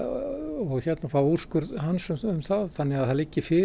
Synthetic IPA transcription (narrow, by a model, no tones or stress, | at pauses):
ɔɣçɛt̪nafawur̥skʏɾɦansʏmʏmθaðθanːɪɣaðθalɪcːɪfɪː